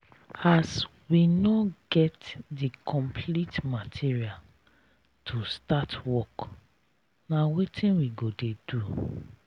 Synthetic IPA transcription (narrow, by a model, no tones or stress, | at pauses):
as | winɔɡɛtdikʰɔ̃mpʰlitmatʰiɹial | tʰustatwɔk | nawetĩnwiɡodedu